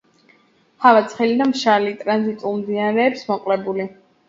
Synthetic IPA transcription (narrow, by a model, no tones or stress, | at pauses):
havat̪sʰχɛlid̪amʃalit̪ʼɾanzit̪ʼulˠmd̪inaɾɛːpsmɔqʼlɛbuli